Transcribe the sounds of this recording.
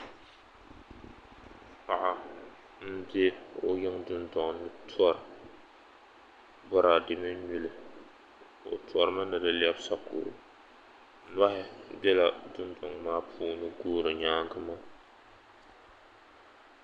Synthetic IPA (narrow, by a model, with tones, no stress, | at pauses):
pa˨ʔa˨ | n̩˦dɪ˦o˦jɪ˦ŋdʊ˦ndɔ˨ŋnɨ˦tʰɔ˦ɾ | bɔ˦ɾa˨dɪ˦mɪ˦ɲu˦lɨ˨ | o̰˨tɔ˨ɾɨ˦ma˦nɨ˨dɨ˨li˦ɛ˦bsa˦kʊ̰ː˨ɾ | n˦a˦hɪ˦bɛ˦la˨dʊ˦ndɔ˨ŋmaː˦pʰuː˦nɨ˦ɡoː˦ɾɨ˨ɲaː˦ŋ˦ɡɨ˦ma˦